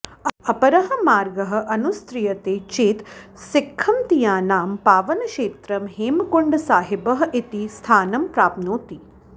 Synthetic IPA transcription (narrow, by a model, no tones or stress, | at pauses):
ɐpɐɾɐɦɐ̆maːɾɡɐɦɐ̆ʔɐnust̪ɾijɐt̪eːt͡ʃeːt̪sɪkʰːɐmt̪ijaːnaːmpaːʋɐnɐkʃeːt̪ɾɐmɦeːmkuɳɖsaːɦibɐɦɐʔit̪ist̪ʰaːnɐmpɾaːpnoːt̪i